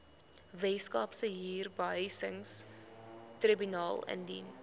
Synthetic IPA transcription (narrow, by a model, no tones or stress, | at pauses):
vɛskɑːpsəɦiːrbəəjsəŋs | tribynɑːlˠə̰ndḭn